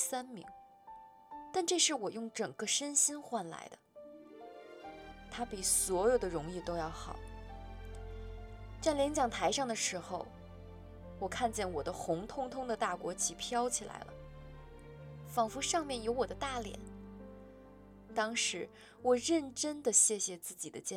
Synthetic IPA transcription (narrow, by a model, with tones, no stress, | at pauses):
sa˥nmḭ˧˥ŋ | t̪a˥˧nʈ͡ʂɤ˥˧ʂɻ̩˥˩wɔ˨˩jʊ˥˩ŋʈ͡ʂɤ˨˩ŋɡ̥ə˦ʂə˥nɕi˥nxwa˥˩nla̰˧˥ɪd̪ə˧ | t̪ʰa˥pi˨˩swɔ˧˥jo˨˩ʊd̪ə˦ɻʊ˧˥ŋi˥˩t̪o˥ʊjɑ˥˩ʊxɑ˨˩˦ʊ | t͡sa˥˩ɪljɛ˧˥nt͡ɕjɑ˨˩ŋt̪ʰa˧˥ɪʂɑ˥˩ŋd̪ə˩ʂɻ̩˧˥xo˧ʊ | wɔ˨˩kʰa˥˧nt͡ɕjɛ˥˩nwɔ˨˩d̪ə˦xʊ˧˥ŋt̪ʰʊ˥ŋt̪ʰʊ˥ŋd̪ə˨t̪a˥˩kwɔ˧˥t͡ɕʰi˨˩pʰjɑ˥ʊt͡ɕʰi˨˩la̰˧˥ɪlʔə̰˧ | fɑ˨˩ŋfu˧˥ʂɑ˥˧ŋmjɛ˥˩njo˧˥ʊwɔ˨˩d̪ə˦t̪a˥˩ljɛ̰˨˩˦n | t̪ɑ˥ŋʂɻ̩˧˥ | wɔ˨˩ɻə˥˩nʈ͡ʂə˥nd̪ə˨ɕjɛ˥˩ɕjɛ˨t͡sɹ̩˥˩t͡ɕi˨˩d̪ə˦t͡ɕjɛ˥˩